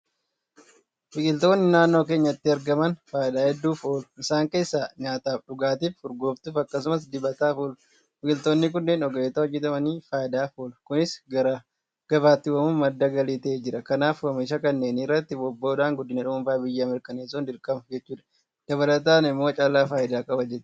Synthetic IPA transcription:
fɪkʼɪlt̪o̞ːnːɪnaːnːo̞ːk̬e̞ːɲːɐɪt̪ːɪɐɾɡɐmɐnfaːjɪd̪aːhɛd̪ːuːfoːlʊ̥ɪsaːŋke̞ːsːaːɲaːt̪aːfɗʊɡaːt̪̬iːffʊɾɡo̞ːft̪uːfɐkːɐs̬ʊmɐsd̪ɪbɐt̪aːfuːl | fɪkʼɪlt̪o̞ːnːɪk̬ʊnːeːnɔɡeːt̪ɐwɔd͡ʒːɪt̪ɐmɐniːfaːjɪd̪aːfoːlkʊnɪsɡɐɾɐ | ɡ̥ɐbaːt̪ːɪwɐmʊnmɐd̪ːɐɡɐliːt̪ɐeːd͡ʒɪɾɐkɐnaːfwɐmiʃ̬ɐkɐnːe̞ːniːɪrːɐt̪ːɪbɔbːoːd̪aːŋɡʊd̪ːɪnɐᶑʊmʊmfaːbɪjːɐːmɪɾkʼɐneːsund̪ɪɾkʼɐmɐd͡ʒɛt͡ʃːuːᶑɐ̥ | d̪̥ɐβɐlɐt̪aːnɪmːoːt͡ʃʼaːlaːfaːjɪd̪aːkʼɐbɐd͡ʒɛt̪ːɪ̥

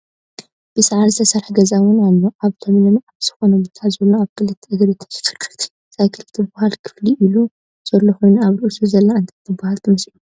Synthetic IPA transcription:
b̥ɨsʕaɾzɨt̪ʰɐsɐɾħɡɐzawʊnalːoʔaβt̪ʰomlɨmaβz̥ɨ̥xo̞nɐbt̪ʰazɨlːoaβkʰɨlɨt̪ʰːiɐɡɐɾit̪ʰɨ̥nsɨ̥fɨ̥kʰːɨ̥ɾt̪ʰi̥ | z̥ajkʰɨlɨt̪ʰːibʊhalkʰɨ̥fliʔilu | z̥ɐlːoxojnaβɾɨʔusuzɐlːaɨnt̪ʰat̪ʰːɨbahalt̪ʰɨmɐslu

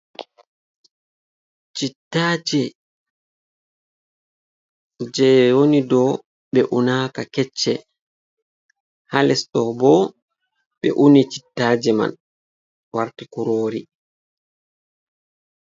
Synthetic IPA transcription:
t͡ʃitːaːd͡ʒɛ | d͡ʒɛwonidɔ | ɓɛʔunaːkakɛt͡ʃːɛ | halɛsɗɔbɔ | ɓɛ̰ʔunit͡ʃi̥tːaːd͡ʒɛma̰n | waɾtikuɾoːɾi

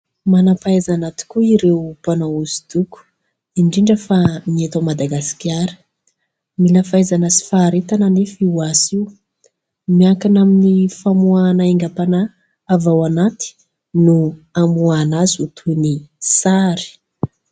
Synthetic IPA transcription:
manapaezanat̪i̥kuiɾepanauzi̥d̪uku̥ | iɳɖ͡ʐiɳɖ͡ʐəfamiet̪amad̪aɡasi̥kʲjaɾə̥ | miləfaezanəsi̥faːɾet̪ananefiwasiw | miakanaminifamuanaeŋɡapanaː | vawanat̪i̥ | nuamuanazut̪ʰunisaɾi̥

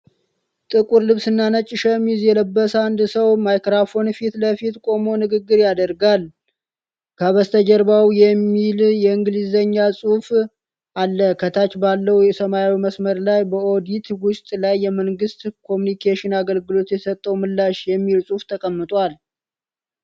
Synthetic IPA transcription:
t̪ʼɨkʼuɾlɨβsɨnːanət͡ʃʼːɪʃəmizjɛləbːəsand̪səwmajkɾafo̞nfit̪ləfit̪kʼo̞mo̞nɨɡɨɡːɨɾjad̪əɾɡal | kʰəβəst̪ʰəd͡ʒəɾbawjɛmːiljɛɨŋɡɨlizəɲːasʼuf | ʔalːəkʰət̪ʰat͡ʃbalːəwjɛsəmajwiməsməɾlajbəo̞d̪it̪wʊst̪ʼlajːɛməŋɡɨst̪kʰo̞munikʰeʃɪnaɡəlɡɨlo̞t̪jɛsət̪ʼːəwmɨlːaʃjɛmːilsʼuft̪ʰəkʼəmːɨt̪ʼwal

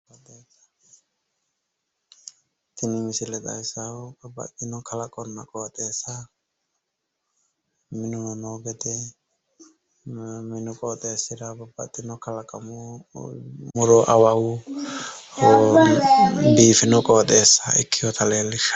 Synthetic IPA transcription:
ɔt̪ʼeːsɐ̥ | t̪ɪnɪmɪsɪlɛt̪ɐ̰ɪsɐɐbɐ̰t̪ːɪnɔkʰɐlɐkʼɔnːɐkʼɔːt̪ʼːe̞ːsːɐ | mɪnʊnɔnoːɡɛt̪ɛ | mɪnʊkʼɔt̪ʼeːsːɪɾɐbɐbɐ̰t̪ʼːɪnɔkɐlɐkʼɐmʊ | mʊɾɔʔɐwɐwʊ | biːfɪnɔkʼɔːt̪ʼeːsːɐɪkʰːɪjɔt̪ʰɐleːlːɪʃ

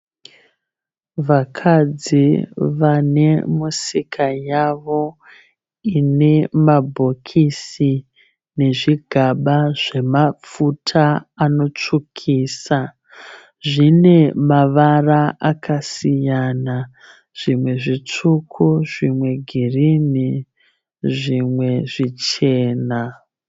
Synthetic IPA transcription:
ʋakʰad͡ziʋane̞musikʰajaʋo̞ | ine̞mabʱo̞kʰisi | ne̞ʐiɡʱaɓaʐ̥e̞mafutʰaːno̞t͡ʂukʰiːsa | ʐine̞maʋaraakasijana | ʐ̥imwe̞ʐit͡ʂukʰuʐimwe̞ɡʱirini | ʐimwe̞ʐit͡ʃe̞ːna

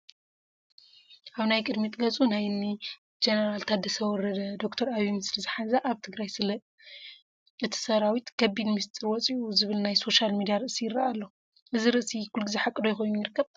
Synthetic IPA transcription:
ʔaβnajkʼɨd̪mit̪ʼɡɐt͡sʼunajni | d͡ʒenɐɾalt̪ʰad̪ɐsɐwɔɾɐd̪ɐd̪o̞kt̪ʰɐɾaβimɨslizɨħazɐʔaβt̪ʰɨɡɾajsɨlɐ | ɨt̪ʰi̥sɐɾawit̪kʰɐbid̪mɨst̪ʼɨɾwɔt͡sʼiʔuzɨβɨlnajso̞ʃalmid̪ijaɾɨʔsijɪɾːaalːo | ʔɨziɾɨʔsikʰulɡɨzeħakʼːɨd̪ojɛxo̞jnujɪɾɨkʰːɐβ

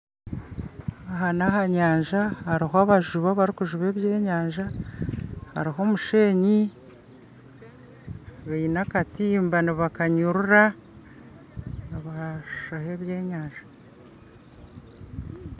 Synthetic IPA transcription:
aɦanaɦaɲaːɲʒahaɾiɦoaβaʒuβaβaɾikuʒuβe̞ːβje̞ːɲaːɲʒa | ha̰ɾiɦo̞ːmuʃe̞ːɲi | βainakatiːmbaniβakaɲuɾuɾa | aβaʃaheβje̞ːɲaːɲʒḁ

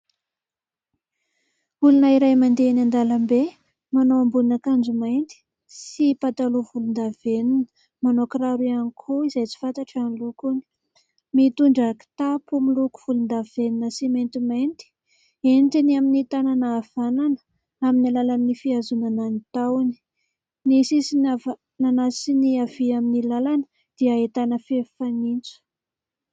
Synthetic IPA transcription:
ulunaiɾajmand̪eanand̪alambe | manoambulunakand͡ʒumajnt̪i̥ | sipat̪alovulund̪aveninə̥ | manokraɾuanikʰuizajt͡si̥fant̪aʈ͡ʂanilukuni̥ | mit̪uɳɖ͡ʐaki̥t̪apumiluku̥v̥ulund̪av̥eninəsiment̪iment̪i̥ | ent̪iniaminit̪ananaːv̥ananə̥ | aminilalannifiazunananit̪ani̥ | nisisinaa | nanasiniaviaminilalanə̥ | d̪̥iəet̪anəfefanint͡su̥

